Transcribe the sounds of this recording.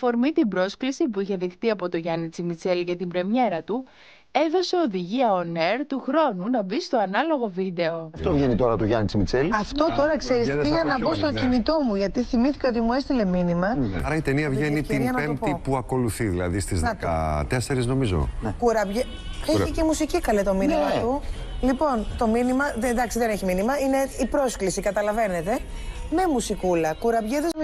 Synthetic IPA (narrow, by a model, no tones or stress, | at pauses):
fo̞ɾmit̪ibɾo̞sklisipuiçe̞ðixt̪iɐpo̞t̪o̞ʝɐnit͡simit͡se̞lcɐt̪ibɾe̞mje̞ɾɐt̪u | e̞ðo̞se̞o̞ðiʝiɐoneɾt̪uxɾo̞nunɐbist̪o̞ɐnɐlo̞ɣo̞vid̪e̞o̞ɐft̪o̞vʝe̞nit̪o̞ɾɐt̪oʝɐnit͡simit͡selɐft̪o̞t̪o̞ɾɐkseɾisiɣɐnɐpo̞st̪o̞cinit̪o̞muʝɐt̪iθimiθi̥ceo̞t̪imue̞st̪ile̞minimɐ̰ɐɾɐit̪eniɐvʝenit̪inɐnɐpet̪ipuɐko̞luθiðilɐ̰ðist̪izðɐkɐ̰t̪eseɾizno̞mizo̰kuɾɐbʝe | eiceimusicikɐlet̪o̞minimɐt̪ulipo̞nt̪o̞minimɐðed̪ɐksiðeneçiminimɐine̞ipɾo̞sklisikɐt̪ɐlɐve̞ne̞t̪e̞me̞musikulɐkuɾɐbʝeðiz